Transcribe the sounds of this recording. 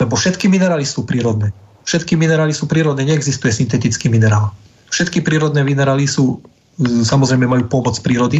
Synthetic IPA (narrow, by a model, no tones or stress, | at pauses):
lɛbɔfʃɛt̪kiminɛɾaːlisuːpɾiːɾɔd̪nɛː | fʃɛt̪kiminɛɾaːlisuːpɾiːɾɔd̪nɛːɲɛɛɡzist̪ujɛsint̪ɛt̪it͡skiminɛɾaːl | fʃɛt̪kipɾiːɾɔd̪nɛːʋinɛɾaːlisuː | samɔzɾɛjmɛmajuːpɔmɔt͡spɾiːɾɔd̪i